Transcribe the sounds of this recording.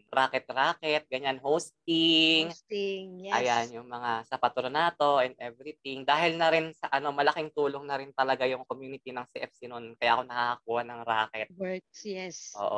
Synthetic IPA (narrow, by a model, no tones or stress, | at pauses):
ɾaːkɛt̪̚ɾaːkɛt̪̚ɡɐɲanhowst̪ɪŋŋʔɐjanjʊŋmɐŋasɐpɐt̪uɾnaːt̪o̞ʔɛnd̪ʔɛvɾɪt̪̚ɪŋd̪aːhɪlnɐɾɪnsɐʔɐno̞mɐlɐkɪŋt̪uːloŋnɐɾɪnt̪ɐlɐɡajʊŋkomjuːnɪt̪inɐŋsiʔɛfsinʊnkɐjaʔɐkonɐkaːkɐkuːhɐnɐŋɾaːkɛt̪wɛkjɛsʔo̰ːʔo